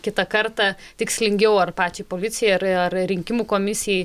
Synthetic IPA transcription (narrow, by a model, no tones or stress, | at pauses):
kʲɪt̪ɐkɐrt̪ɑt̪ʲɪksʲlʲɪŋʲɡʲɛʊɐrpɑːt͡ʃʲɛpoːlʲɪtsʲɪjɛɐɾɐrɾʲɪŋʲkʲɪmuːkoːmʲɪsʲɪjɛɪ